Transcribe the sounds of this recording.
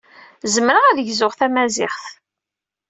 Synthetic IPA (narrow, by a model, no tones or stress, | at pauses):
zəmɾəʁæðʝzʊʁθæmæzɪ̰χθ